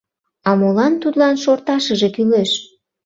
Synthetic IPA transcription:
ɑmolɑnt̪ud̪lɑnʃort̪ɑʃəʒe̽kyleʃ

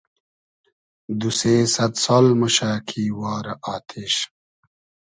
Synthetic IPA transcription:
d̪useːsɐt̪soːlmɐɕaːkʰiːwaːɾɐʔaːt̪ʰeːɕ

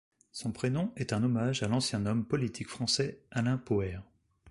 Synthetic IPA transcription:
sɔ̃pχenɔ̃ɛt̪ɛ̃nɔmaʒalɑ̃sjɛ̃nɔmpɔlit̪ʰikfχɑ̃sɛalɛ̃poɛʁ

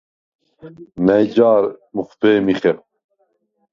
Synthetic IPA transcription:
nɐjd͡ʑaːɾmuχt̪eːmiχep̚

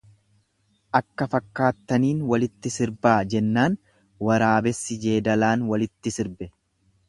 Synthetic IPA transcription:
ʔɐkːɐfɐkːaːt̪ːɐniːnwɐlɪt̪ːɪsɪɾbaːd͡ʒɛnːaːn | wɐɾaːbɛsːɪd͡ʒeːd̪ɐlaːnwɐlɪt̪ːɪsɪɾbɛ

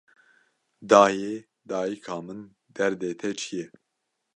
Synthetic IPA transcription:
d̪ɑːjeː | d̪ɑːjikʰɑːmɨn | d̪ɛɾd̪eːt̪ʰɛt͡ʃʰijɛ

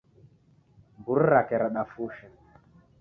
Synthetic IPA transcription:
bur̩ɾakɛɾaɗafuʃɛ

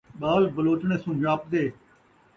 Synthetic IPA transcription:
ɓaːlbəloːt͡ʃɳ̃eːsũːd͡ʒaːp̚d̪eː

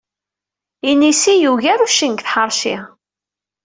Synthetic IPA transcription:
inisijuʝæɾuʃiŋkθħəɾˤʃɪ̰

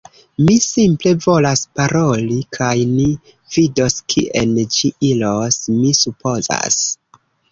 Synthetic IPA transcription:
misimple̞vo̞laspaɾo̞likʰajni | vido̞skʰiʔḛnd͡ʒiʔilo̞smisupo̞za̰s

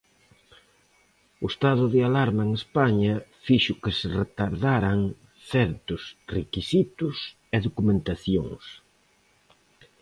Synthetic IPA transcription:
ʊest̪aðʊðɪalaɾmɐeŋespaɲɐfiʃʊkɪsɪret̪aɾðaɾɐŋ | θɛɾt̪ʊsrekisit̪ʊs | eðokumẽnt̪aθjo̰ŋs

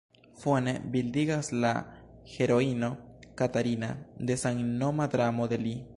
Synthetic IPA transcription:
fwenebild̪iɡasla̰xeɾoinokat̪aɾinad̪esaŋnomad̪ɾamod̪eli

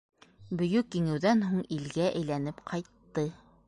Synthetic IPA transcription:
bɵ̆jɵkjiŋɘ̆wðænɦuɴilɡæʔæjlænɘpqʰɑjt̪ːɤ

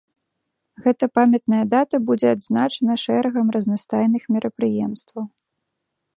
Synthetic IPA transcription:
ɣɛt̪ɐpamʲɛt̪̚nɐjɐd̪at̪ɐbud͡zʲɛad̪znat͡ʂɐnɐʂɛɾɐɣɐmrɐznast̪ajnɨxmʲɛɾʔɐpɾɨjɛmst̪vɐw

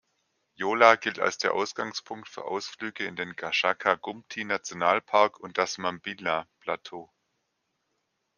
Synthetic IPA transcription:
joːlaɡɪlta̰lsd̥eːɐʔaʊsɡ̥aŋspʰʊŋktfyːɐʔa̰ʊsflyːɡəɪndeːnɡaʃakʰaɡʊmtʰinat͡sjonaːlpʰaɐkʰʊnt̚d̥asmambilapʰl̥atʰoː

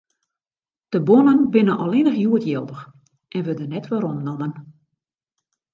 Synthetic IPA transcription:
d̥əbonənbɪnənʔɔlˠɪnəxjuətjɛlˠdəx | ʔɛnʋədənɛtʋɔɾomnɔmən

